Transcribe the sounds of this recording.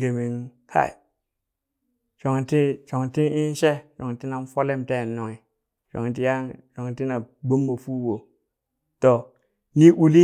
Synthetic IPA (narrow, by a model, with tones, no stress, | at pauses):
ɡe˨mi˨n | ka̰˦˨ḭ˨ | ʃo˨ŋ˨ti˦ʃo˨ŋ˨ti˦i˦n˦ʃe˦ʃo˨ŋ˨ti˦na˦nfo˦le˦˨mte˦˨nːo˨ŋi˨ | ʃo̰˨ŋ˨t̬i˦ja˦ŋʃo˨ŋ˨ti˦na˨ɡ͡bo˦mːo˨fu˦wo˨ | to˨ | ni˦ʔu˨li˦